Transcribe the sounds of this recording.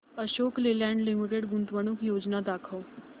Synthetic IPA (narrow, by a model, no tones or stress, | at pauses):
əʃoːklelɛ̃ːɳɖlɪmiʈeɖɡʊnt̪ʋəñʊkjoːd͡ʒnad̪aːkʰəː